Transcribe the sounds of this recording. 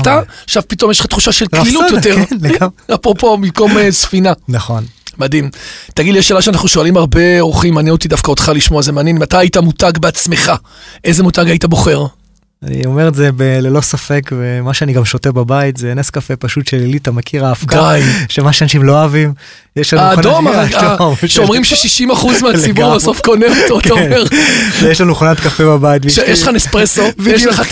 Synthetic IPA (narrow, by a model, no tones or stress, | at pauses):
taaʃavpito̞mjeʃlχat̪χuʃaʃelklilutjoteʁnleɡameapopomimko̞mesfinanaχo̞nmadimtaɡidlieʃːelaʃeanaχnuʃo̞alimaʁbe̞oχimːaːnjeot̪idafkao̞dχaliʃmo̞azemeanjenmatajaitamutaɡbeat͡sme̞χa | ʔe̞jzemutaɡaitabo̞χe̞ʁ | a̰nḭome̞ʁezebelelo̞safekvemaʃeaniɡamʃotebabait̪zeneskafepaʃutʃelilit̪amakʰiʁafkdaajʃemaʃeanaʃimlo̞avim | jeʃlanauːdomadomʃʃeomʁimʃeʃiʃimaχuzmeat͡sibuʁbaso̞fko̞neotoataoeʁzjeʃlanuχonat̪kafebabait̬̚biʃejeʃanespʁesovjeleχa